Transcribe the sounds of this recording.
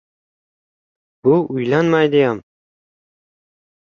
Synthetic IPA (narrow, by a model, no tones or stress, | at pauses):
b̥ʊʊjlanmajd̪ɪjam